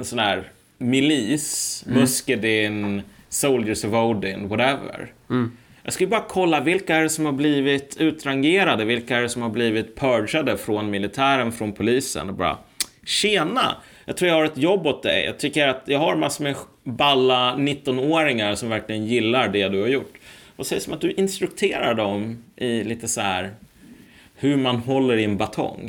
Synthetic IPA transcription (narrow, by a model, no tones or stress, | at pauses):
ɛnsɔnæːɾ | mɪliːsmɵskəd̪ɪn | soʊldəsəvod̪ɪŋwɔɾɛvə̰ɾ | jɑ̰ɡskɵlːəbɑːɾakʰɔlːavɪlkaæɾɛsɔmhaɾbliːvɪt̪ʰʉ̟ːt̪ɾaŋɡeːɾad̪əvɪlkaɛɾɛsɔmhaɾbliːvɪt̪pʰœːɖʂad̪əfɾɔnmɪlɪt̪ʰæːɾənfɾɔnpʰʊliːsə̰nɔbɑ̰ːɾa̰ | ɕeːna̰ | jɑɡt̪ɾuːɾjahaɾɛt̪jɔbːɔt̪̚d̪ɛ̰jjɑ̰ɡt̪ʰʏkːəɾat̪jɑːɡhaɾmasːmɛ | balːanɪt̪ːɔnoːɾɪŋaɾsɔmvæɾklɪɡənjɪlːaɾɖɛd̪ɵhaɾjʊʈːvasɛjəsɔmat̪̚d̪ɵʔɪnst̪ɾɵk̚t̪ʰeːɾaɖɔmʔɪliːt̪əsɔhæɾ | hɵɾmanɦɔlːəɾɪɛnbat̪ʰɔ̰ŋ